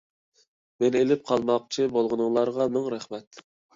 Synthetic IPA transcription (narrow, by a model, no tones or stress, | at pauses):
mɛnelɪp̚qʰɑlˠmɑq̚t͡ʃʰibolˠʁənɨŋlˠɑɾʁɑmɪŋɾæχmɛt̪